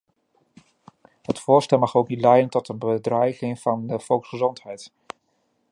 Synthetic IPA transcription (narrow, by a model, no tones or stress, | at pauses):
ɦətfʊːɹstɛlˠmɑχowknitlɛjdəntɔtənbədrɛjχɪŋv̥ɑndəv̥ɔlˠksχəzɔntɦɛjt